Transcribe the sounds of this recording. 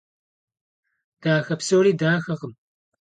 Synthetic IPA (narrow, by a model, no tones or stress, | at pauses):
d̪̥aːxɐpsoːɽid̪aːxɐqəm